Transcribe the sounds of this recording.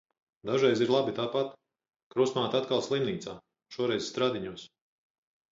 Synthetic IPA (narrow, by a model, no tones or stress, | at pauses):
d̪aʒɛjziɾlˠabit̪aːpat̪ | kɾusmaːt̪at̪kalˠslˠimniːt̪saː | ʃuɔɾɛjzst̪ɾaːd̪iɲuɔs